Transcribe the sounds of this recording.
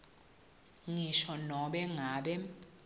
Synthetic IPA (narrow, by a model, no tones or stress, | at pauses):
ŋiʃɔnɔɓɛŋaːɓɛ